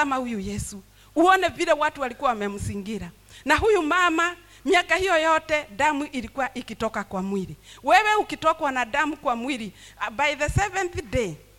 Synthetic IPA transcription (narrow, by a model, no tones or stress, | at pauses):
amahujujɛsu | uɔnɛviɾɛwatuwalikuwawmɛmusiŋɡiɾa | naɦujumama | miakahijɔjɔtɛdamuʔiɾikuwaʔikitɔkakwamwiɾiwɛwɛukitɔkwanadamukwamwiɾibajðəsɛvɛnθde